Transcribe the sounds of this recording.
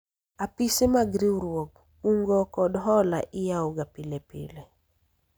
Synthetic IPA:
apisemaɡɾiuɾwoɡ | uŋɡɔkɔdɦɔla̰ʔɪjaɔɡapilepḭle

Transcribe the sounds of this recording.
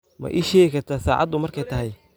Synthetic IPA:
mɐ̰ʔɪʃɛːkɐt̪ʰɐsaːʕɑ̰d̪ːʊmɐrkʰɛjt̪ʰɐɦɛj

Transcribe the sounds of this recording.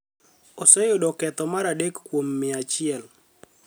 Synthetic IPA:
osɛjʊdɔkɛt̪ɔmaɾadekːwomːɪat͡ʃɪɛl

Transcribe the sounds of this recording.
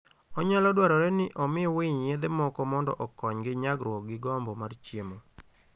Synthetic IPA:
ɔɲalɔdwaɾɔɾɛnɪʔɔmɪɔwiɲjed̪emɔkɔmɔndɔ̰ʔɔkɔɲɡɪɲaɡɾwɔk̚ɡɪɡɔmbɔmart͡ʃjemo

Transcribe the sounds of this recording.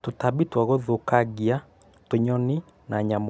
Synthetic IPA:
totabitwaɣoðokaɣia | toɲɔni | naɲam

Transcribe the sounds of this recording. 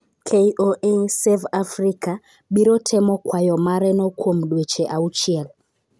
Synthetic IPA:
kʰeʔoʔesevafrika | ɓiɾotʰemokwajomaɾenokʰuomuɗwet͡ʃeʔaut͡ʃiel

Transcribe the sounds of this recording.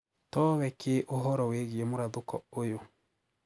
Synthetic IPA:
tɔβɛkʰeʔoɦɔɾɔweɡiemoɾaðokɔ̰ojo

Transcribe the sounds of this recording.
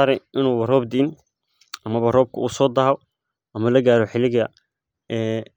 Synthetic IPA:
aːɾɛjʔɪnuːwɐrɔːbd̪iːn | ʔɐmɐβɐrɔːb̚kʰɐuːsɔːd̪ɐːɦɔ | ʔɐmɐlɐɡaːɾɔħɪlɪɣɐ | ɛː

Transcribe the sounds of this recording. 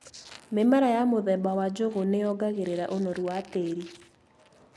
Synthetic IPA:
memaɾajamoðɛbawad͡ʒoɣonejɔɡaɣeɾeɾaʔonɔɾwwateːɾi

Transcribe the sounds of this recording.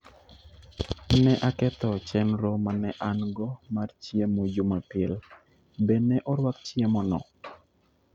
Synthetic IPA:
nɛʔakɛt̪ɔt͡ʃɛnɾɔmanɛʔaŋɡɔmart͡ʃjemod͡ʒumapɪl | bɛnɛʔɔɾwakt͡ʃjemɔnɔ̰

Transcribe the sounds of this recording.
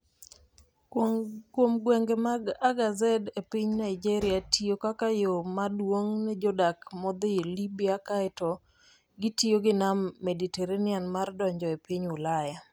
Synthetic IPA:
kwomɡwɛŋɡemaɡaɡazɛdepiɲnaɪd͡ʒeɾɪjatʰijokakajomadwoŋnɛd͡ʒɔdakmɔd̪ɪelibiakaɛtɔ | ɡɪtioɡɪnamːediteɾenɪjanmardɔɲd͡ʒɔepiɲʊlaja

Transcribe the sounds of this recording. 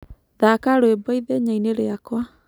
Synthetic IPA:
ðakaɾoebɔiðeɲaineɾeakwa

